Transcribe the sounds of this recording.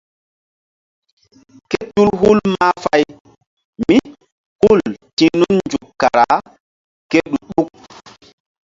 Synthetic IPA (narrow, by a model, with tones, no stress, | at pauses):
ke˦tu˦lɦu˦lma˦fa˦j | mi˦ | hu˦˨ltĩ˦nu˦nnd͡ʒu˨kːa˨ɾa˨ | ke˦ɗu˨ɗu˦k̚